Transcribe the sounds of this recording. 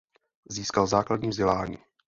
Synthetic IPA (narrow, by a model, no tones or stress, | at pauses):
ziːskalzaːkladɲiːvzɟɛlaːɲḭː